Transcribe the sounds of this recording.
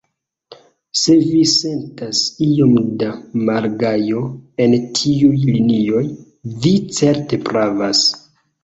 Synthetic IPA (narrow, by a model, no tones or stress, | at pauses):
se̞vise̞ntasio̞mdamaɾɡajo̞e̞ntʰiujlinio̞j | vit͡se̞ɾte̞pɾavas